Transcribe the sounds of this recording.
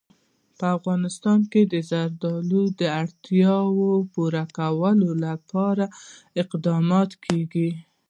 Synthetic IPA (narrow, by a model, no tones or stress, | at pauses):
pəafɣɑnɪst̪ɑnked̪əzaɾd̪ɑlud̪əaɽt̪jɑwopuɾakawəlolapɑɾa | ɪqd̪ɑmɑt̪kʰeɡi